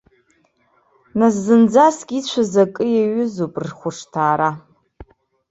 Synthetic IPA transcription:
nas̬zɨnd͡zaskʲʼit͡ɕʷʰazakʼɨjaɥʏzopʼrχʷʊʂtʰaːɾa

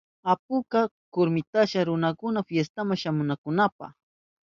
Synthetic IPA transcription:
apʊka | kʊɾmɪt̪aʃaɾʊnakʊnafjes̬t̪amaŋʃamʊnakʊnapa̰x

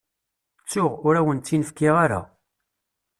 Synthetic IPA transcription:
t͡sːʊʁʊɾæwənt͡s̪ːinəfkːɪʁaɾa̰

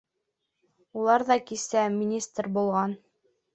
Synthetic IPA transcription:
ulˠɑɾðɑkisæmʲinʲist̪rʲbulˠʁɑn

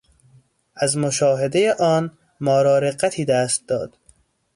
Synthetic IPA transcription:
ʔæzmoʃɒːɦed̪e̞jeʔɒːn | mɒːɾɒːɾeɢːæt̪ʰiːd̪æst̪̚d̪ɒ̰ːd̪̥

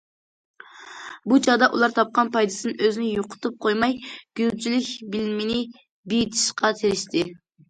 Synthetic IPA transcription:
but͡ʃʰɑʁd̪ɑʔulˠɑɾt̪ʰɑp̚qɑnpʰɑjd̪ɨ̥sɨnɨøzɪnɪjoqʰʊ̥t̪ʰup̚qʰojmɑjɡ̥ʲyzt͡ʃʰilɪkʲbɪlmɪnɪ | bijt̪ʰi̥ʃqʰɑt̪ʰeɾɪʃt̪ʰɪ

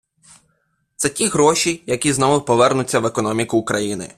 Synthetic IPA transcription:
t̪sɛtʲiɦɾɔʃʲijɐkʲiznɔʋʊpɔʋɛrnʊt͡sʲːɐʋekɔnɔmʲikʊːkɾɐjinɪ̰

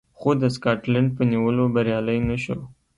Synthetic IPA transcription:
xod̪əskɑʈlaɳɖ̚pəniwəlobaɾjɑləjnaʃo

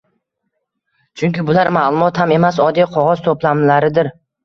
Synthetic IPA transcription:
t͡ʃʰʊŋkʲɪbʊlaɾmalˠʊmɒt̪hame̞masɒd̪ijqʰɒʁɒzt̪ʰoplamlaɾɪd̪ɪɾ

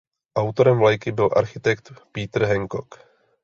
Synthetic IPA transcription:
ʔawt̪o̞ɾɛmvlajkɪbɪlʔa̰ɾxɪt̪ɛkt̪piːt̪r̩ɦɛŋkok

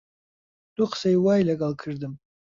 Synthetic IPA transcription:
d̥ʼuqʰsajwajlaɡʼalkʰɨʐdɨm

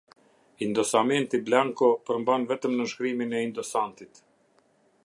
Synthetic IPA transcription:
ind̪ɔsamɛnt̪iblaŋkɔpəɾmbanvɛt̪əmnəʃkɾiminɛind̪ɔsant̪it̪

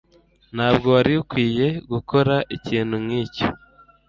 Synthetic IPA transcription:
n̥haːbɡo̞waɾiukwiːje̞ɡukʰo̞ɾaʔiciːn̥humŋiːco

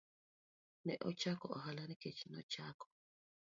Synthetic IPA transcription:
nɛʔɔt͡ʃakɔɔ̰ɦalaniket͡ʃinɔt͡ʃakɔ̥

